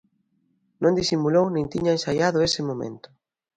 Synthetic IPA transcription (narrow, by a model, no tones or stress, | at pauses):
nõnd̪isimulownĩŋt̪iɲaensajaðʊesɪmomḛnt̪ʊ̥